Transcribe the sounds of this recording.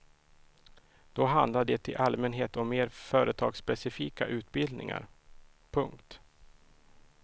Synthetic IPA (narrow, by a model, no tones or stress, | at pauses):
d̪̥ɔɦand̪laɖ̪ɛt̪ʰɪlʔalmɛnɦeːt̪ɔmːeːɾfœːɾət̪ʰɑ̰ːɡspɛsɪfiːkaʔʉ̟ːt̪bɪld̪nɪ̰ŋa̰ɾ | pʰɵŋkt̪